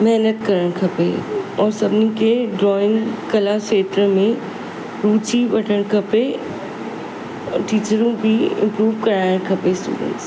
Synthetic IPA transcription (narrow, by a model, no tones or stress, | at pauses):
mɛɦnət̪kɐɾəɽ̃kʰɐpeɔːɾsɐbnikeɖɾɔːɪ̃ŋɡkɐlakeːt̪ɾəmẽ | ɾuːt͡ʃiʋɐʈʰəɽ̃kʰɐpe | ʈiːt͡ʃəɾũbʱiɪ̰̃mpɾuːʋkɐɾaːjɪɽ̃kʰɐpesʈṵːɖə̰̃ɳʈs